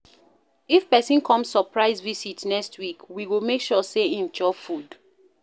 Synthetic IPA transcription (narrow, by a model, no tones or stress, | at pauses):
ifpɛsĩnkʰɔ̃msːɔpɹaɪzvisitnɛstwikwiwimekʃɔseĩnd͡ʒɔfud